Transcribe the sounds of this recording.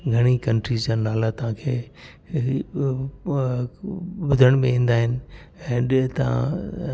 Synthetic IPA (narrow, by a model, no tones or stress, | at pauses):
ɡʱɐɽ̃ikɐ̃ɳʈɾid͡ʑaːnaːlat̪ɐʋ̤ãːkʰeː | bʊd̪ʱəɽ̃mẽĩːn̆d̪aːɦɪnɪ̆ | ɛ̃ːɗt̪ɐã̰